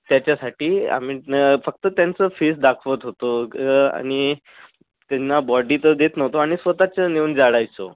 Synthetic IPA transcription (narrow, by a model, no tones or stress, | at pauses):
t̪jat͡ɕjasaʈiːa̰mifək̚t̪ət̪jant͡səfesd̪akʰʋət̪ɦot̪oa̰ɽ̃i | t̪anːabɔɖit̪əd̪et̪nəɦt̪oaɽ̃isʋət̪at͡ɕəneuːnd͡zaɽajt͡so̰